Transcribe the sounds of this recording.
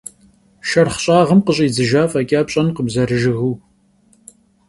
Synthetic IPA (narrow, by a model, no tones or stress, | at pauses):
ʃɐrχɕʼaːʁəmqəɕʼiːd͡zɨʒaːfɐkʲʼaːpɕʼɐnqəbzɐɾɨʒɨɣuː